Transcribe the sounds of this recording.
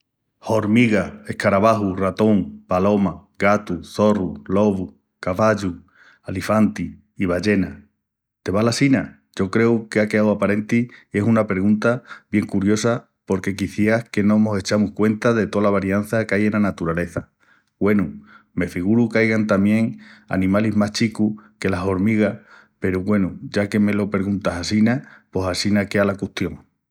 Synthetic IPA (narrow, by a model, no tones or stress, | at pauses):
ho̞ɾmiɣae̞hkaɾaβaɦurat̪o̞ŋpalo̞maɡat̪uθo̞rulo̞βu | kaβaʎu | alifant̪iː | β̞aʎe̞na | t̪e̞βalasina | ʝo̞kɾe̞ukeake̞awapaɾe̞nt̪iːe̞sunape̞ɾɣũnt̪aβje̞ŋkuɾjo̞sa | po̞ɾke̞kiθjeahke̞nõ̞mose̞t͡ʃamuhkwe̞nt̪aðe̞t̪o̞laβaɾjan̟θakaje̞nanat̪uɾale̞θa | ɡwe̞nu | me̞fiɣ̞uɾukajɣant̪amje̞ŋa̰nĩmaliɦmaht͡ʃikuke̞laɦo̞ɾmiɣa | pe̞ɾuɣwe̞nuʝake̞me̞lo̞pe̞ɾɣunt̪asasinapo̞sasinakealakuht̪jo̞ŋ